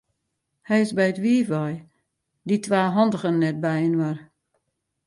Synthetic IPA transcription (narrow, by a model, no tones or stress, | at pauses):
hɛjɪsbɛjətʋiəvɔj | ditʰʋaːɦɔndəɣənːɛt̚bɛjənʋar